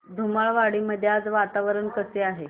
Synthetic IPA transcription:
d̪ʱumaɭʋaɽiːməd̪ʱjat͡sʋat̪aʋɾəɳkəseaɦe

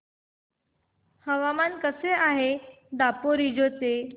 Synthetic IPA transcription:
həʋamankəseaɦe | d̪apoɾid͡ʑote

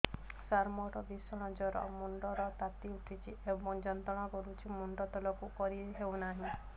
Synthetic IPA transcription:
saɾmɔʈɔd̪isɔɽ̃ɔ̃d͡ʒɔɾɔ̰muɳɖɔɾɔt̪at̪iuʈʰit͡ʃʰiebɔŋd͡ʒɔnt̪ɔɽ̃ɔkɔɾut͡ʃʰimuɳɖɔt̪ɔlɔkukɔɾiɦewnaɦĩ

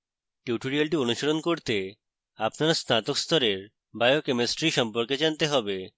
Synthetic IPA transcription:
ʈjuʈuɾialʈionuʃoɾonkoɾt̪e | apnaɾasnat̪okst̪ɔɾeɾ | bajokemesʈɾiʃɔmpoɾked͡ʑant̪eɦɔbe

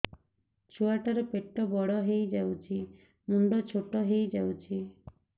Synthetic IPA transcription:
t͡ʃuaʈaɾɔpeʈːɔbɔɽɔɦejd͡ʒawt͡ʃʰi | muɳɖɔt͡ʃʰoʈɔɦejd͡ʒawt͡ʃʰi

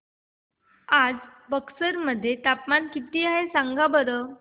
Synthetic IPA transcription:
ad͡zbəksəɾməd̪ʱːjet̪apmankit̪iːaɦesaŋɡʱabəɾə

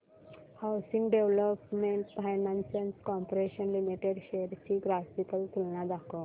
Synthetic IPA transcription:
hawsĩŋɡɖeʋləpmeɳʈfajnãnsenskɔmpɾeɕənlimiʈeɖɕejəɾt͡ɕiːɡɾafikəlt̪ʰilnad̪akʰo

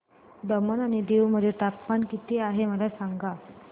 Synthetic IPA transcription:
d̪əmənaɽ̃id̪ewməd̪ʱjet̪apmankit̪iːaɦeməlasaŋɡa

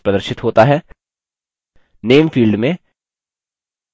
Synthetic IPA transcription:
pɾəd̪əɾʃɪt̪ɦoːt̪aɦɛː | neːmfiːlɖmẽ

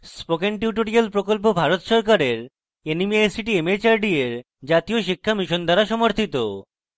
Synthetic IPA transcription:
spokenʈ̬juʈoɾialpɾokolp̬obʱaɾot̪ʃɔɾkaɾeɾ | enimieesiʈiemet͡ɕaɾɖieɾ | d͡ʑat̪ioʃikʰːamiʃond̪ʱaɾaʃɔmoɾt̪ʰit̪o̰

